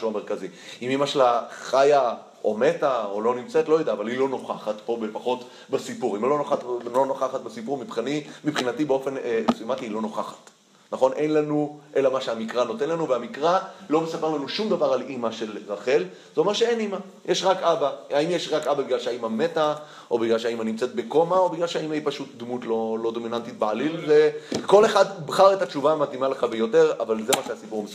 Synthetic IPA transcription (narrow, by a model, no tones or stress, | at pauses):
ʃuameʁkaziimimaʃelaχaja | o̞me̞taolo̞nimt͡setlo̞jed̪aːvalilo̞no̞χaχatpo̞befaχo̞t | basipuʁimlo̞noχatlo̞noχaχat̪̚besipuʁmipχanimipχinatibeo̞fe̞nmsujamat̪iilo̞no̞χaχḁt | naχo̞nʔejnlanuʔe̞lamaʃeamikʁano̞t̪e̞nlanuveamikʁalo̞mesape̞ʁlanuʃumd̪avaʁalʔimaʃe̞lʁaχe̞l | zoomaʁʃeejnima | jeʃʁakabaaimjeʃʁakababiɡlalʃeaimame̞ta | ʔobiɡlalʃeaimhanimt͡se̞t̚be̞ko̞mao̞biɡlalʃeaimaipaʃut̚d̪mutlo̞lo̞d̪o̞minantit̚bealilveko̞le̞χadbχaʁetat͡ʃuvamatimaleχabejo̞te̞ʁavalze̞maʃeasipuʁme